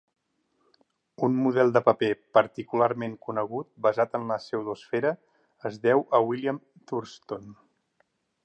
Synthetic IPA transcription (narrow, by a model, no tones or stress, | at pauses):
unmuð̞ɛlˠd̪əpəpepəɾt̪ikulaɾmeŋkunəɣ̞ut̪̚bəzat̪ənləsɛwðosfɛɾə | əzðɛwʔəwilijəm | t̪uɾst̪on